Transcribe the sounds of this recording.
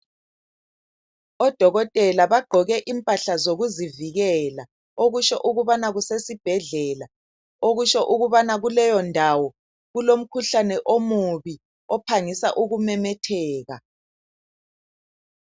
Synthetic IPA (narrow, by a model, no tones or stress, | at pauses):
ɔd̥ʱɔɣɔtʼɛlaβaɡ͡ǃʱɔɣɛʔimpʼaɬazoɣuziviɣɛla | oɣuʃɔʔuɣuβanaɣusesib̥ʱɛɮɛla | oɣuʃɔʔuɣuβanaɣulɛjɔndʱawɔ | ɣulom̩kʰuɬanɛʔomuβi | ɔpʰaŋisaʔuɣumɛmɛtʰɛːɣa